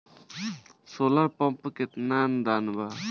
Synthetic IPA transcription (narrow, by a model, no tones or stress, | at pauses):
solaɾpɔmpəket̪nand̪anba